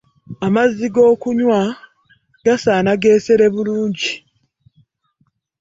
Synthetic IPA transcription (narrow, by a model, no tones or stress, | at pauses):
amazːiɡo̞ːkuɲwa | ɡ̥asaːnaɡe̞ːseɾe̞βuluːɲɟi